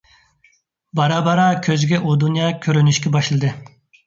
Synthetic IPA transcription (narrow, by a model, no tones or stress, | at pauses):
bɑɾɑːbɑɾɑkʲʰøzɡʲɛʔod̪unjɑːkʲʰøɾynyʃkʲɛbɑʃlˠɨd̪ɨ